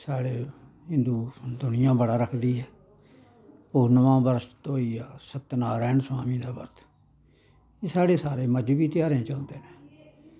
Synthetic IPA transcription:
saːɽeː | ɦɪ̃nd̪uːd̪ʊnɪjãːbəɽaːɾəkʰd̪iːɦɛː | poːnəʋãːbəɾt̪t̪õːiːaːsət̪ːnaːɾɛːɳsaːmĩːd̪aːbə̰ɾt̪ʰ | eːsaːɽeːsaːɾeːməd͡ʒbiːt̪ɪjaːɾẽːt͡ʃaʊnd̪eːneː

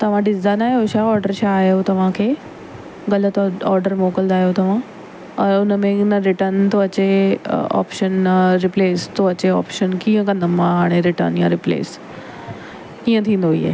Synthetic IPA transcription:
t̪ɐʋ̤ãɖɪsd̪aːnaːjoʃaɔːɾɖəɾʃaːjot̪ɐʋ̤ãkʰeː | ɡɐlət̪ɔːɾɖəɾmoːkəld̪aːɦjot̪ɐʋ̤ã | ɐɾʊnəmẽnəɾɪʈəɾnt̪oɐt͡ɕeɔ̰ːpʃənɾɪpleːst̪oɐt͡ɕeɔ̰ːpʃənkĩːə̃kɐ̃nd̪əmãɦaːɽ̃eɾɪʈə̰ɾnjãɾɪplḛːs | kiːə̃t̪ʰĩːnd̪oɦḭːḛː

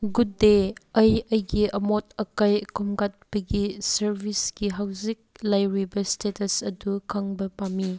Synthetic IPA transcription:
ɡudeɐjɐjɡiʔɐmɔt̚ɐkajkʰumɡat̚pɐɡisɐɾbʱisɡiɦawzik̚lajɾibɐstetɐsɐdukʰaŋbɐpami

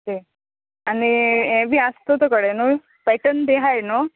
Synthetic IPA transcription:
te | aniẽbiast̪ot̪okəɽenu | pɛʈənd̪eɦajno

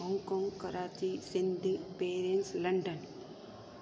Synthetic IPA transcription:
ɦɔŋkoːŋɡkɐɾaːt͡ʃisɪnd̪ʱpeːɾenslɐɳɖən

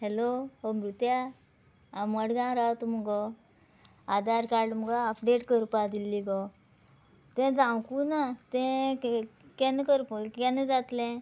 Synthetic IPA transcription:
ɦeloɦomɾut̪ja | aməɽɡãɾat̪umɔɡɔ | ad̪aɾkaɾɖm̤əɡaəpɖeʈkəɾpad̪ilːiɡɔ | t̪ɛ̃d͡zãwkunat̪ɛ̃ | kɛ̃nkəɾpkɛ̃ned͡zat̪lɛ̃

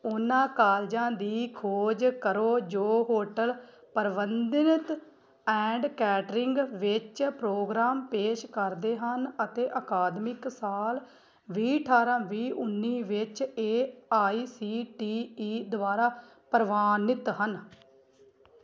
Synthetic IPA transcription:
ʊnãːkaːld͡ʒãːd̪iːkʰoːd͡ʒkəɾoːd͡ʒoːɦoːʈəl | pəɾʋənd̪ɪnət̪ | ɛ̃ːɳɖkɛːʈɾɪŋɡʋɪt͡ʃpɾoːɡɾaːmpeːʃkəɾd̪eːɦənət̪eːʔəkaːd̪mɪksaːl | ʋiːʈʰaːɾãːʋiːʔʊnːiːʋɪt͡ʃeːaːiːsiːʈiːiːd̪ʊaːɾaː | pəɾʋaːnɪt̪ɦən

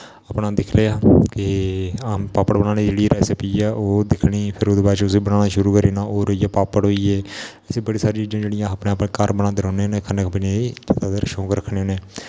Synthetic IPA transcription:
aːpnaːd̪ɪkʰleːaːkɪapaːpəɽbənãːniːd͡ʒeːɽiɾɛːsepiːɛːʔoːd̪ɪkʰɽiːpʰɪɾoːd̪eːbaːt͡ʃʊs̬iːbənaːnaːʃʊɾuːkəɾiːnaːʔoːɾoiːjaːpaːpəɽɦoːiːɛːɛseːbəɽiːsaːɾit͡ʃiːd͡ʒãːd͡ʒeːɽijãːpneːəpnẽːkəɾbənãːd̪eɾɔ̃ːneːɦoːneːkʰəneːkʰbned͡ʒat̪aːd̪eɾʃõːkɾəkʰneːɦoːneː

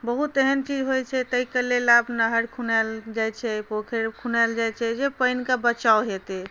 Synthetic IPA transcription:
bəɦut̪eɦənt͡ʃid͡ʒɦojt͡ʃʰɛt̪əikəlelabnəɦəɾkʰunald͡ʒajt͡ʃʰɛpokʰeɾkʰunald͡ʒajt͡ʃʰɛd͡ʒepəjnkabət͡ʃaoɦet̪e

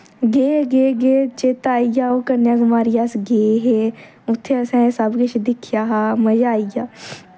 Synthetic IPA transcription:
ɡeːɡeːɡeːt͡ʃeːt̪aːijaːoːkəɾnjaːɡəmaːɾɪjaːsɡeːɦeː | ʊt̪ʰːeəsɛ̃ːsəbkɪt͡ʃʰd̪ɪkʰɪjaːɦaːməd͡ʒaːijaː

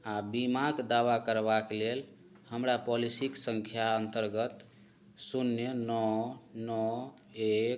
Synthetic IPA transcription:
abimakd̪aʋakəɾbaklel | həmɾapɔlisiksəŋkʰjaənt̪əɾɡət̪ | sunːjənɔnɔ | ek

